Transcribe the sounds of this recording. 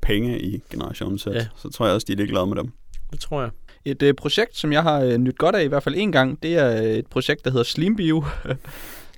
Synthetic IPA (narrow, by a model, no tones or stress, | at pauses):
pʰeŋəʔiɡ̥e̝nəʁɑ̈ɕo̝̰n̩se̥sɒ̽t͡sʰʁo̰ɐjɑɒsd̥iæ̥lieɡ̥lɛð̞ˠmed̥emd̥et͡sʰʁo̝ɐ̰jae̝d̥pʰʁo̝ɕeɡ̥̚d̥sɒ̽mjɑ̈ɪɦɑ̈ønyd̥̚ɡ̥ɒ̽ɾ̥æiʋæɐ̰̥fæle̝ːnɡ̥ɑ̈ŋ̰d̥e̝æɐe̝d̥̚pʰʁo̝ɕeɡ̥̚d̥ɑɦe̝ðˠɐsliːmb̥iʊ